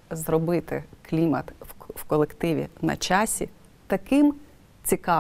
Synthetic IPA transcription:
zrɔbɪt̪ɪ̰klʲimɐt̪wkɔlˠekt̪ɪʋʲḭnɐ̰t͡ʃɑsʲḭ | t̪ɐkɪm | t͡sʲikɑ

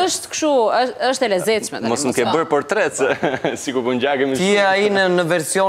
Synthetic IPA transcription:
əʃt̪kʃuəəʃt̪ɛlɛzɛt̪ʃmɛ̰mɔsməkɛbəɾpɔɾt̪ɾɛt͡ssikupuɲɟaɡɛmiiainənəvɛɾsiɔ

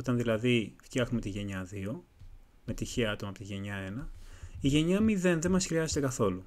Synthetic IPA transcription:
ot̪ɐnðilɐðift̪çɐxnumet̪iʝe̞ɲɐðio̞ | me̞t̪içiɐɐt̪o̞mɐpot̪iʝe̞ɲɐe̞nɐiʝe̞ɲɐmiðe̞nðe̞mɐsxɾiɐze̞t̪e̞kɐθo̞lu

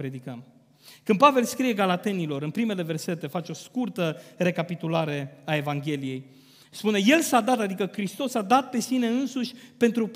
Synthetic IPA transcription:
pɾe̞d̪ikəm | kɨnpave̞lskɾije̞ɡalat̪e̞nilo̞ɾɨnpɾime̞le̞ve̞rse̞t̪e̞fat͡ʃo̞skurt̪əre̞kapit̪ulaɾe̞ae̞vaŋɡʲe̞lije̞j | spune̞je̞lsad̪at̪ad̪ikəkɾist̪o̞sad̪at̪̚pe̞sine̞ɨnsuʃʲpe̞nt̪ɾu

